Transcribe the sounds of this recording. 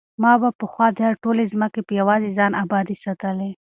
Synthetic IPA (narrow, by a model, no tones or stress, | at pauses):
mɑːbapəxwɑːd̪ʱaɾʈoːlezməkepəjɐwaːzizɑːnʔaːbɑːd̪isɐt̪əle